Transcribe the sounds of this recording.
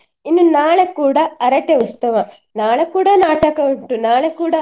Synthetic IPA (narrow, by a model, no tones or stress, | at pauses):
inːunaːɭekuːɽɐɐɾɐʈːeʋɐst̪ɐʋɐ | naːɭekuːɽɐnaːʈɐkɐuɳʈunaːɭekuːɽɐ